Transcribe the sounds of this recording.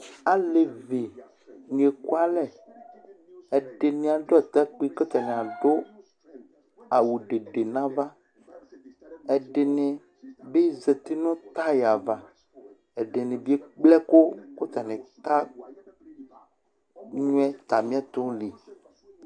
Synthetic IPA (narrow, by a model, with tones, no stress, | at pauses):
a˨le˨ve˨ | ɲĩ˨e˨ku˦a˦lɛ˦ | ɛ˨ɖe˨nĩ˨a˨ɖo˦ɛ˨t̪a˦k͡pe˦ko˦t̪a˨nẽ˨a˨ɖo˦ | a˨wu˨ɖe˨ɖe˨nã˦va˦ | ɛ˨ɖe˨nẽ˨ | be˦ze˨t̪e˦nɔ̃˦t̪a˦ja˨va˨ | ɛ˨ɖe˨nẽ˨bi˦e˦k͡plɛ˦ko˦ko˦t̪a˨nẽ˨ka˦ | ɲũ˦ɛ˦t̪a˨mĩ˦a˦t̪ɔ̃˦li˨